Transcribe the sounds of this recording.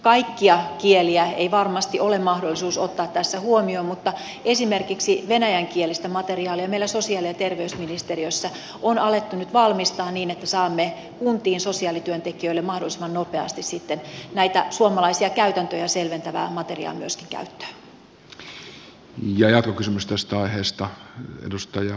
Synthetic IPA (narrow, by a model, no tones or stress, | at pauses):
kɑikːiɑkieliæeiʋɑrmɑst̪iʔolemmɑhdolːˑisuːsot̪ːɑːt̪t̪ːæsːæhuomioːmmut̪ːɑ | esimerkiksiʋenæjæŋkielist̪æmɑt̪eriɑːliɑmeilːˑæsosiɑːliɑt̪erʋeysminist̪eriøsːæ | onɑlet̪ːunyt̪ʋɑlmist̪ɑːnniːnet̪ːæsɑːmːe | kunt̪iːnsosiɑːlit̪yønt̪ekiøilːemɑhdolːˑisimɑnnopeɑ̰st̪issit̪ːennæit̪æsuomɑlɑisiɑkæyt̪ænt̪øjɑselʋent̪æʋæ̰ːmɑt̪erḭɑ̰ːmyøskiŋkæ̰yt̪ːø̥ː | jɑjɑt̪kokysymyst̪æst̪æɑiheːst̪ɑḛdust̪ɑjɑ